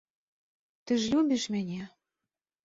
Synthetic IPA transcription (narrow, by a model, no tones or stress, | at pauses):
t̪ɘ̆ʒlʲubʲiʃmɘ̆nʲe